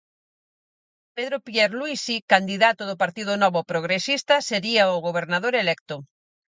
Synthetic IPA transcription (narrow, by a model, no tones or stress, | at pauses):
peðɾopjɛɾluisikand̪iðat̪ʊðʊpaɾt̪iðʊnɔβʊpɾoɣ̞ɾesist̪ɐseɾiaʊɣoβeɾnaðoɾelɛkt̪ʊ